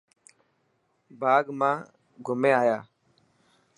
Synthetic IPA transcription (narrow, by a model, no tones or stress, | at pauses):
baːɡmãː | ɡʱʊmẽːaːjaː